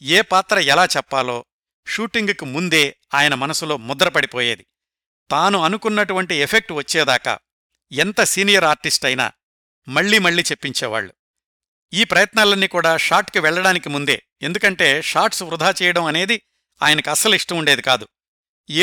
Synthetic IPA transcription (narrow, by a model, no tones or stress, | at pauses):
eːpaːt̪ɾɐɛlaːt͡ʃɛpːaːlo̞ː | ʃuːʈiŋɡkimund̪e̞ː | aːjɐnɐmɐnɐsulo̞ːmɔd̪ɐɾɐpɐɽipo̞ːjeːd̪i | t̪aːnuɐnukunːɐʈuʋɐɳʈiepʰek̚ʈʋɐt͡ʃːɛːd̪aːka̰ː | ɛnt̪ɐsiːnijɐɾaːɾʈisʈɐjna̰ː | mɐɭːiːmɐɭːiːt͡ʃe̞pːiɲt͡ʃɛːʋa̰ːɭːu | iːpɾɐjɐt̪naːlɐnːiːkuːɽaːʂaːɾʈkiʋɛɭːɐɽaːnikimund̪e̞̰ː | end̪ukɐɳʈe̞ːʂaːɾʈsʋɾud̪ʱaːt͡ʃɛːjɐɽɐmɐne̞ːd̪i | a̰ːjɐnɐkɐsɐliʂʈɐmuɳɖeːd̪ikaːd̪u